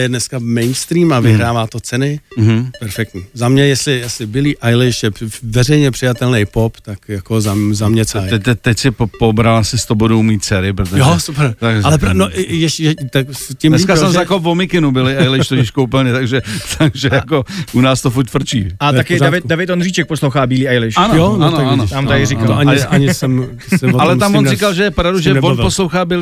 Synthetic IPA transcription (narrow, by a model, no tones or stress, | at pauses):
jɛdnɛskamɛjnst̪ɾiːmavɪɦɾaːvaːt̪ot͡sɛnɪm̩ɦ̩pɛɾfɛk̚t̪ɲiːzamɲɛjɛslɪjasɪbɪliːʔajlɪʃjɛvɛrɛjɲɛpr̥ɪjat̪ɛlnɛjpopt̪akjako̞zazamɲɛt͡saɛt̪ɛt̪ːɛcsɪppobɾalasɪst̪obodowmiːt̪̚t͡sɛɾɪpɾot̪ojosupɛɾt̪akalɛpɾnojɛʃjɛt̪akscɪmnɛskasɛmzakopvomɪkɪnubɪlɪʔajlɪʃt̪ocɪʃkoupl̩ɲɛt̪aɡʒɛt̪ʰaɡʒɛjakoʔunaːst̪ofuɾt̪fr̩t͡ʃḭːaakɪdavɪt̪davɪt̪onriːt͡ʃɛk̚poslowxaːbiːliːajlɪʃanojoanoaanot̪amt̪aɪɾɪkaloaɲɪɲɪsɛm | sɪvoalɛmt̪amvonzikalʒɛjɛpɾavduʒɛɛvoposlowxaːbil